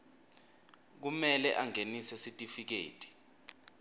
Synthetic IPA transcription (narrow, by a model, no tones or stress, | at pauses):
k̬umɛlɛʔaŋenisɛsitʼifik̬ḛːtʼi̥